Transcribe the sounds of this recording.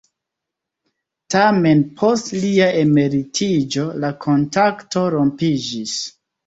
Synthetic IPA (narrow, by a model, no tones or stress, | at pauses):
tame̞npʰo̞stliaʔe̞me̞ɾitʰid͡ʒo̞lakʰo̞ntakto̞ɾo̞mpid͡ʒis